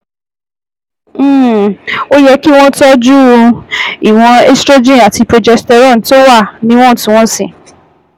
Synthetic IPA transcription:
o˦jɛ˦ki˦w̃ɔ̃˦tɔ˦d͡ʒu˦ | i˨w̃ɔ̃˧e˦stɾo˦d͡ʒĩ˦˨a˨ti˧pɾo˧d͡ʒɛ˧stɛ˧ɾɔ̃˦˨n˨˦to˦wa˦˨nĩ˦w̃ɔ̃˦˨tĩ˧˦w̃ɔ̃˦sĩ˨

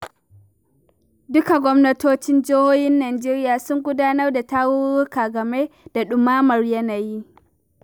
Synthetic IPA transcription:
dʊ˦ka˨ɡʷɔ˦mnɐ˦toː˦t͡ʃɪ˦nd͡ʒoː˦hoː˦hɪ˦nːaː˨d͡ʒeː˦ɾɪ˦jaː˨sʊ˦ŋɡʷʊ˦daː˦nɐ˦rda˨taː˦wʊ˦ɾʊ˦kaː˨ɡɐ˨me˦d̥a˨ɗʊ˨maː˦mɐ˨rjɐ˦naː˨ji˦

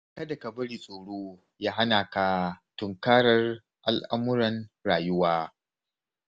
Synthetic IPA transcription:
kɐ˦dɐ˨kɐ˨bɐ˦ɽiː˨sʼoː˨ɽoː˦ | jaː˦ɦa˦naː˨kaː˦tʊ˨ŋkaː˦ɾɐ˦r | ʔa˨lʔa˦mʊ˦ɾɐ˨nɾaː˨jʊ˦waː˦

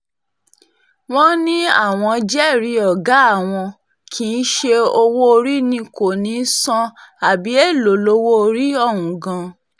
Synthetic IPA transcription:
w̃ɔ̃˦nĩ˦a̰˦˨w̃ɔ̃˧d͡ʒɛ˦˨ɾi˧˦ɔ˨ɡa˨˦a˦˨w̃ɔ̃˧ | kʰĩ˨˦˧n̩˦ʃe˧o˧wo˦o˧ɾi˦nĩ˧ko˨nĩ˨˦sɔ̃˧a˨bi˨˦e˦˨lo˨˦lo˧˦wo˦o˧ɾi˦ɔ˦˨ɦũ˨ɡã˧

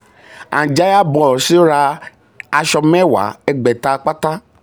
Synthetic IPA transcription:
ã̰˨d͡ʒa˦ja˦bɔ̃˨si˦o˦ɾa˧ | a˧ʃɔ˧mɛ̃˦wa̰˨˦ɛ˧ɡ͡bɛ˨ta˧k͡pa˦ta˦

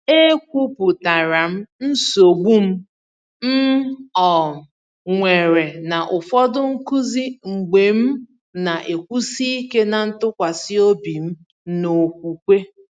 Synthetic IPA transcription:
e˦kʷu˦pʊ˨ta˨ɾa˨m̩˦n̩˦so˨ɡ͡bʷu˦m̩˦ | m̩˦ɔ˨ | ŋʷe˨ɾe˨na˨ʔʊ˨fɔ˦dʊ˦ŋ̩˦ku˦zi˦ŋ͡m̩˨ɡ͡be˨m̩˦ | na˨ʔe˨kʷu˦si˦i˦ke˦na˨n̩˦tʊ˦kʷa˨sɪ˦o˦bi˨m̩˦ | no˨k̚ʷu˨kʷe˦

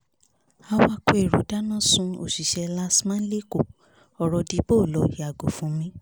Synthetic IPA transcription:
a˧wa˦ko˦e˦˨ɾu˨˦da˦nã˦sũ˧˦o̰˨ʃi˨ʃɛ˧la˦smãː˦n̩˦le˦ko˦˨ | ɔ˧ɾɔ˧di˨˦bo˦˨lɔ˨i˨˦a˨ɡo˨fũ˨˦mĩ˦

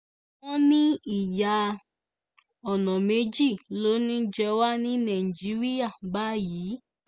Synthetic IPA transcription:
ɔ̃˦nĩ˦i˦˨ja˧ | ɔ˨nɔ̃˨me˨˦d͡ʒi˦˨lo˨˦nĩ˦d͡ʒɛ˧wa˦nĩ˦nã˨i˨d͡ʒi˨˦ɾi˦a˦˨ba˦˨jiː˨˦

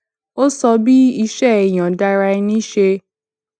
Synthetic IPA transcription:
o˦sɔ˧bi˦i˧ʃɛ˦˨j̃ã˨da˧ɾa˧i˧nĩ˦ʃe˧

